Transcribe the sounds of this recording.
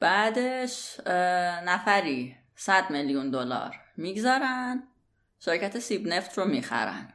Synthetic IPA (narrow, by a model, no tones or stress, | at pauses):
b̥æːd̪e̞ʃ | næfæɾiː | sæd̪meljund̪olɒ̰ːɾ | miːɡzɒːɾæn | ʃeɾcʰæt̪ʰesiːbneft̪ʰromiːxæ̰ɾæ̰n